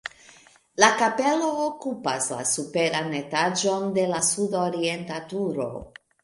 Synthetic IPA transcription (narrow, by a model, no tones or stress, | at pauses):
lakape̞lo̞ːkupasla̰supe̞ɾanetad͡ʒo̞nde̞lasudoɾie̞ntatuɾo̞̰